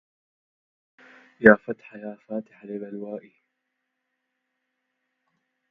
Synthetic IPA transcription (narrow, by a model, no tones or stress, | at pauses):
jaːfat̪ħajaːfaːt̪ɪ̥ħalɪbalwaːʔi